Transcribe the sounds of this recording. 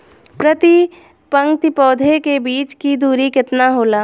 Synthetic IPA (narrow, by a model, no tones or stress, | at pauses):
pɾɐt̪i | pə̃ŋɡt̪ipɔːd̪ʱekebiːt͡ʃkid̪uːɾikɪt̪naɦoːlaː